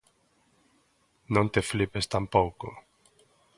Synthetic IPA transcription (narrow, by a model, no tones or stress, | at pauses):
nõnt̪eflipest̪ampowko